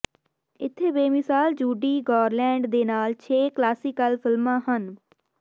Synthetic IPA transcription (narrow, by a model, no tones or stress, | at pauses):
ɪt̪ʰːeːʋeːmɪsaːld͡ʒuːɖiːɡɔːɾlɛ̃ːɳɖd̪eːnaːlt͡ʃʰeːklaːsiːkəlpʰɪlmãːɦən